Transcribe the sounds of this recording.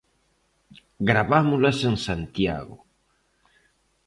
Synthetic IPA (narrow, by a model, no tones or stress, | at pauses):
ɡɾaβamulasensant̪ja̰ɣo